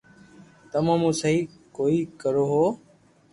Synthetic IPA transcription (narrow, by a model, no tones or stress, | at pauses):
t̪əmãːmũːsəɦiː | koːiːkəɾoːɦoː